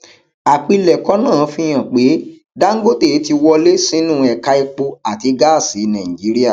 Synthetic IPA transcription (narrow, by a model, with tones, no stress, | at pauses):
a˨k͡pi˧lɛ˨kɔ˨˦nãː˦˨fĩ˧j̃ã˨k͡pe˨˦ | da˦ŋ̩˦ɡo˦te˦˨˦ti˧wɔ˧le˦sĩ˦nũ˦˨ɛ˨ka˧i˧k͡po˧a˨ti˨˧ɡa˦˨si˨˦nã˨ĩ˨d͡ʒi˨˦ɾi˦a˦˨